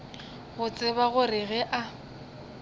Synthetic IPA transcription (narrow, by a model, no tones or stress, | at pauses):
ɣʊt͡sʼɪβaɣʊrɪɣɛʔa